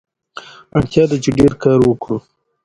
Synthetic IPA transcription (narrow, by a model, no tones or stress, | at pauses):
aɳt̪jɑd̪at͡ʃeɖeɾkɑːɾwəkɽu